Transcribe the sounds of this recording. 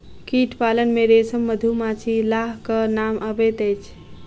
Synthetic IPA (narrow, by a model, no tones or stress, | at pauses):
kiʈʰpalənmeɾesəmːəd̪ʱumat͡ʃʰilaɦkənamʔəbet̪əjt͡ʃʰ